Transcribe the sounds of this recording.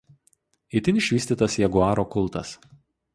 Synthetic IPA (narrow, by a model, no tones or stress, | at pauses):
ɪt̪ʲɪnʲɪʃʲʋʲiːsʲt̪ʲiːt̪ɐsjɛɡʊɑːɾoːkʊlˠˑt̪ɐ̰s